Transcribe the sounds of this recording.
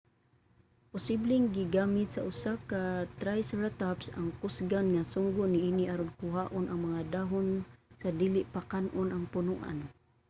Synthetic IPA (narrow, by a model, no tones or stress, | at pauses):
pʊsiblɪŋɡɪɡamɪt̪̚saʊsakat̪ɾajsɹat̪apsa̰ŋkʊsɡanŋasʊŋɡʊniiniʔaɾʊnkʊɦaʔʊnaŋmaŋad̪aɦʊnsad̪iːlɪʔpakanʔʊnaŋpʊnuʔa̰n